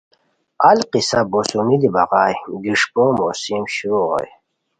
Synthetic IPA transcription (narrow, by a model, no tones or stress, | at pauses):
alqisabosumid̪ibaʁaːjɡiʂpomosimɕuɾoo̰j